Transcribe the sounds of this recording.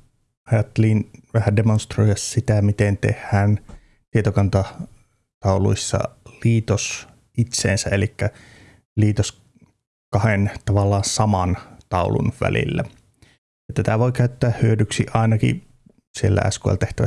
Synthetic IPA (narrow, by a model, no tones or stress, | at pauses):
ɑjɑt̪ːelinʋæhædemonst̪roijɑssit̪æmit̪ent̪ḛhːæːn | t̪iet̪okɑnt̪ɑ | t̪ɑulṵisːɑ̰liːt̪os | it̪sḛːnsæelikːæ | liːt̪os | kɑhent̪ɑʋɑlːɑːsɑmɑnt̪ɑulṵnʋæ̰lḭlːæ | jɑt̪æt̪æʋoikæyt̪ːæːhhyødyksiʔɑinɑkḭ | sielːæ̰æ̰skoḛlt̪eht̪æʋæ